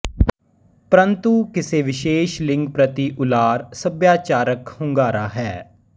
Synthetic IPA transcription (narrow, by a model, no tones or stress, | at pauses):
pɾənt̪uːkɪseːʋɪʃeːʃlɪ̃ŋɡ̚pɾət̪iːʔʊlaːɾsəbjaːt͡ʃaːɾəkhʊ̃ŋɡaːɾaːɦɛː